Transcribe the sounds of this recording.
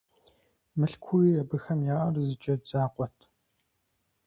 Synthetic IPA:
mɨɬkʷʰuiːɐbɨxɐmjaːʔɐrzɨt͡ʃʼɐd͡zaːqʷʼɔtʰ

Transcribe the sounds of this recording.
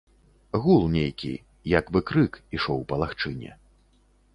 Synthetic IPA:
ɣulˠnʲejkʲḭ | jɐkbɨkɾɨkiʂɔwpɐlˠaxt͡ʂɨnʲɛ̰

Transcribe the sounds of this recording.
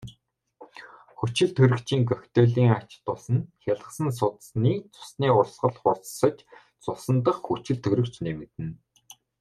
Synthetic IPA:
xut͡ɕɪ̆ɮt̪ʰɵɾɘ̆kt͡ɕiːŋkœxt̪œːɮiːŋat͡ɕt̪ʊːsə̆nxʲaɮə̆sə̆ns̬ʊt̪sniːt͡sʊ̥sniːʊɮsɢə̆ɮχʊrt͡ssə̆t͡ɕ | t͡sʊsə̆nt̪̬ə̆χxut͡ɕɘ̆ɮt̪ʰɵɾɘ̆kt͡ɕnemɘ̆t̪ɘ̆n

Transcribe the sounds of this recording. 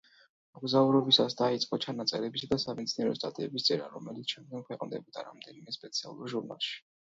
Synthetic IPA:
mɔɡzauɾɔbisasd̪ait̪sʼqʼɔt͡ʃʰanat̪sʼɛɾɛbisad̪asamɛt̪siniɛɾɔst̪ʼat̪ʼiɛbist̪sʼɛɾa̰ɾɔmɛlit̪sʰʃɛmd̪̚ɡɔŋkʰwɛqʼnd̪ɛbɔd̪a̰ɾa̰md̪ɛnimɛspʼɛt̪sʰia̰lˠuɾʒuɾna̰lˠʃi̥

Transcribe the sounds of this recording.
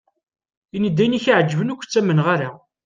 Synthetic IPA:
inid̪ːæjniçiʕd͡ʒːvənukʷːt͡sːæmənʁaɾa

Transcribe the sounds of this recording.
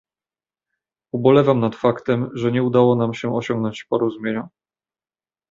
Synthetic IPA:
ubɔlɛvamnat̪fakt̪ɛmʐɛɲɛud̪awɔnamɕɛʔɔɕɔ̃ŋɡnɔɲt͡ɕpɔɾɔzumʲjeɲɔ

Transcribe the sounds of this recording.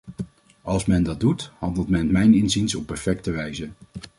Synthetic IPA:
ɑlˠsmɛndɑd̚duthɑndəlˠtmɛnmɛjnɪnzinsɔpːɛɹfɛktəʋɛjzə

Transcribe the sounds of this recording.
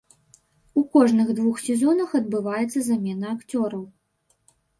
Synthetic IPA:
ukɔʐnɨɣd̪vuxsʲɛzɔnɐxɐd̪bɨvajɛt̪sːɐzamʲɛnɐːkt͡sʲɔɾɐw

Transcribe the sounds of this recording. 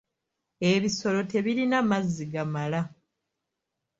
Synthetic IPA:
e̞βiso̞lo̞te̞βiɾinamazːiɡamala

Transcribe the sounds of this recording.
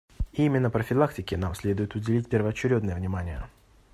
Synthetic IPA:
imʲɪnːəpɾəfʲɪlˠaktʲɪkʲɪnamsʲlʲe̞d̪ʊjɪt̪ʊdʲɪlʲitʲpʲɪrvəɐt͡ɕːɪɾʲod̪nəjəvnʲɪmanʲɪjə̰

